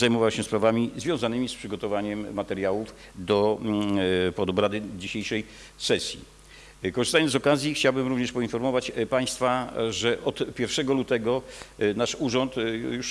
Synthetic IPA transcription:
zajmɔvawɕɛspɾavamʲizvʲjɔ̃w̃zanɘmʲispʂɘɡɔt̪ɔvaɲɛmːat̪ɛɾjawuf | d̪ɔ | pɔd̪ɔbɾad̪ɘd͡ʑiɕejʂɛj | sɛsʲjḭ | kɔʐɨst̪ajɔnɔkazʲjixt͡ɕawbɘmɾuvɲɛʂpɔinfɔɾmɔvat͡ɕpaj̃st̪faʐɛʔɔt̪pʲjɛɾfʂɛɡɔlut̪ɛɡɔnaʂuʐɔnt̪juʂ

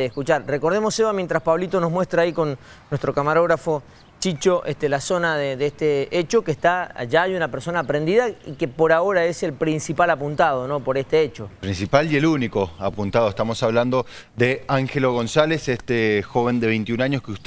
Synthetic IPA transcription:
eskut͡ʃaɾreko̞ɾð̞emosːeβamje̞nt̪ɾaspaβlit̪o̞no̞zmwe̞st̪ɾaːiko̞n | nːwest̪ɾokamaɾo̞ɣɾafo̞ | t͡ʃit͡ʃo̞ʔest̪elaso̞naðeðest̪eet͡ʃo̞kehst̪aa̰ʒajunapeɾso̞naːpɾend̪iðaikepo̞ɾao̞ɾae̞se̞lpɾinsipalapunt̪að̞o̞nopo̞ɾest̪eet͡ʃopɾinsipalje̞luniko̞apunt̪að̞oest̪amo̞saβland̪o̞ðeaŋxeloɣ̞o̞nsalesest̪exo̞βe̞nd̪eβejnt̪iunaɲoskeust̪

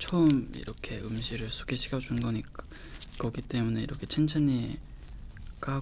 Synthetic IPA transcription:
t͡ɕʰomḭɾʌkʰe̞ɯmɕʰiɾɯɭsʰo̥ɡe̞ɕʰiɡad͡ʑunnɡʌɲik͈a | kʌɡit͈e̞mune̞ḭɾʌkʰe̞t͡ɕʰent͡ɕʰani | k͈a

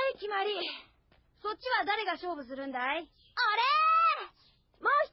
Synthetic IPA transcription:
ikʲimaɾʲi | so̞t͡ɕt͡ɕ͈ːiβad̪aɾe̞ɡaɕo̞ːbɯ̟s̬ɨɾɯ̟̃nd̪ai | aɾe | maoɕ

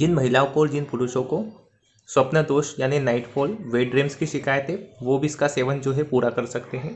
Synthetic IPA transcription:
d͡ʒɪnmɐɦɪlaːopoːɾd͡ʒɪnpʊɾʊʃõko | swɐpnəd̪oːʃjaːninaːɪʈfʰoːlʋeːɖɾeːmskiʃɪkaːjət̪ɦɛ̃ʋobʱiɪskaseːʋənd͡ʒoːɦɛpuːɾakɐɾsɐkt̪eɦɛ̃ː

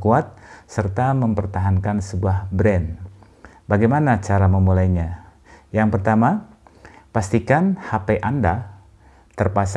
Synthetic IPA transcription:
kuat̪̚sərt̪aməmpərt̪aɦankansəbuahbɾɛn | baɡajmanat͡ʃaɾaməmulajɲa | jaŋpərt̪ama | past̪ikanhapeʔanda | t̪ərpas

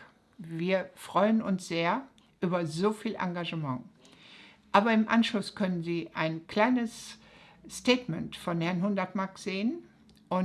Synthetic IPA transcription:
viːɐfʁ̥ɔʏənʊnsz̥eːɐ | ʔyːbɐzoːfiːlʔa̰ŋɡaʒəmɑ̃ŋ | ʔaːbɐɪmʔanʃlʊskʰœnənziːʔaɪnkl̥aɪnəs | steːtmɛntfɔnhɛɐnɦʊndɐtmakz̥eːən | ʔʊn

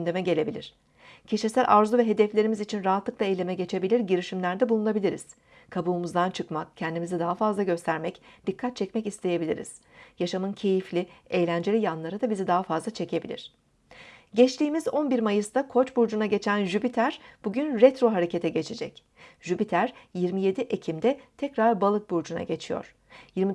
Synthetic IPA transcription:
ynd̪e̞mɛɟe̞lʲe̞bilʲiɾ̥ | cʰe̞ʃesælʲʔaɾzuvɛɦe̞d̪ɛflʲe̞ɾimizit͡ʃʰinɾaɦat̪lˠɯklˠaejlʲe̞mɛɟe̞t͡ʃʰe̞bilʲiɾɟiɾiʃimlʲæɾd̪ɛbulˠunabilʲiɾḭz̥ | kʰabuːmuzd̪ant͡ʃʰɯkmak̚cʰɛnd̪imizid̪aɦafazlˠaɟø̞st̪ʰæɾmɛcd̪̥ikʰːat̪̚t͡ʃʰɛcmɛcist̪ʰe̞je̞bilʲḭɾḭz̥jaʃamɯncʰe̞jiflʲiejlʲænd͡ʒe̞lʲijanlˠaɾɯd̪abizid̪aɦafazlˠat͡ʃʰe̞cʰe̞bilʲḭɾ̥ | ɟɛt͡ʃt̪ʰiːmizo̞nbiɾmajɯst̪akʰo̞t͡ʃbuɾd͡ʒunaɟe̞t͡ʃʰænʒybit̪ʰæɾb̥uɟynɾɛt̪ɾo̞ɦaɾe̞cʰe̞t̪ʰɛɟe̞t͡ʃʰed͡ʒɛ̰c | ʒ̥ybit̪ʰæɾjiɾmije̞d̪iʔecʰimd̪ɛt̪ʰɛcɾaɾbalˠɯt̪̚buɾd͡ʒuna̰ɟe̞t͡ʃʰijo̞̰ɾ̥ | jiɾmi

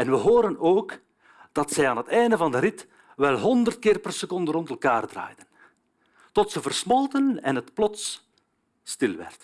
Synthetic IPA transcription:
ɛnʋəɦoːɾənoːk | d̥ɑtsɛjaːnɦətɛjndəvɑndəɾɪt | ʋɛlˠɦɔndərt̚kɪːrpərsəkɔndərɔntɛlˠkaːrdra̰ːjdən | tɔtsəvərsmɔlˠtənɛ̰nɦətplɔts | stɪlˠʋɛ̰rt

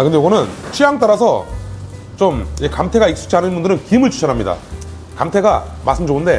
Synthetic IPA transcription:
akɯndejoɡʌnɯnt͡ɕʰijaŋt͈aɾasʰʌ | t͡ɕomjekamtʰe̞ɡaik̚s͈u̥t͡ɕʰanɯnmbundɯɾɯnkiɯmɯɭt͡ɕu̥ɕʰʌnɦamɲida̰ | kamtʰe̞ɡa̰ma̰s͈ʰɯmd͡ʑoɡɯnde̞

